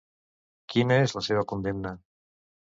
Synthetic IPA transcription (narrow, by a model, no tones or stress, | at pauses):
kjenaezlaseβ̞akond̪emna